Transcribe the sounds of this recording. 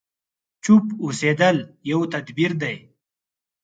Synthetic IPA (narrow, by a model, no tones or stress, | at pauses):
t͡ʃupused̪əljawt̪ɐd̪biɾd̪aj